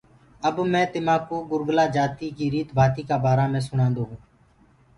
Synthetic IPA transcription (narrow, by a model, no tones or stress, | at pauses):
əbmɛ̃ːt̪ɪmãːkoːɡʊɾɡlaːd͡ʒaːt̪iːkiːɾiːt̪bʱaːt̪iːkaːbaːɾaːmɛ̃ːsʊɳãːnd̪oːɦũː